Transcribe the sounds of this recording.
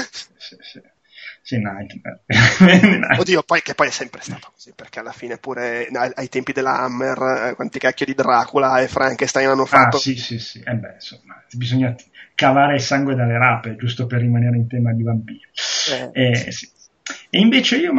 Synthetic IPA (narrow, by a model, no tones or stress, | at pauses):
sisisi | sinajt̪mḛrena̰od̪iopɔjkepːɔjɛsːɛmpɾe̥st̪aːt̪o̥ko̥z̥iperkealːafiːnepuːɾeaajt̪ɛmpid̪elːa̰amːerkwant̪ikakːjid̪id̪ɾaːkulaefɾʔaŋkest̪ajnanːofaat̪ːosisisiʔɛbːɛ̰nsomːabizoɲːakavaːɾeilsaŋɡwed̪alːeɾaːped͡ʒust̪operːimaneːɾeint̪ɛːmad̪ivampiːɾiɛɛsi̥ | eiɱveːt͡ʃeiːo